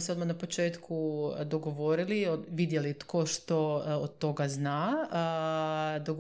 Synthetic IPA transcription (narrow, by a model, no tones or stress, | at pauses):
seod̪manapot͡ʃe̞ːt̪kʰud̪oɡo̞ʋo̞ɾilioʋid̪jelit̪koʃt̪ood̪̚t̪o̞ɡaznaə | d̪oɡ